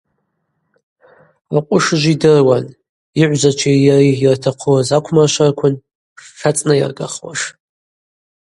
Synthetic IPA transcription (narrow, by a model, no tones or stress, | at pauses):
aqʷʼʊʂʒʷidɨrwan | iʕʷd͡ʒat͡ʃʷʰijariirtʰaqʰuwazakʷʰmarʃʷarkʷʰʊn | ʂat͡sʼnaja̰rɡa̰χwa̰ʂ